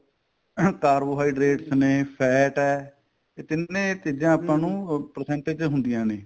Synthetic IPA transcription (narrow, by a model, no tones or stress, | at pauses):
kaːɾboːɦaːiːɖɾeːʈsneːpʰɛːʈɛː | eːt̪ɪnːẽːt̪ɪd̪ãːəpːãːnũːpəɾsɛ̃ːɳʈeːd͡ʒɦʊnd̪ɪjãːneː